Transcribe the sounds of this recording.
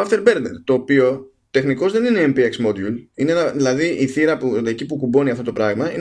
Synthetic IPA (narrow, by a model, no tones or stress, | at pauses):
ɐft̪e̞ɾbe̞ɾnḛɾt̪o̞ːpio̞ | t̪e̞xniko̞zðe̞nine̞empieksmo̞d̪iulineenɐðilɐðiʔiθiɾɐpuecipukubo̞niɐft̪ot̪o̞pɾɐɣmɐin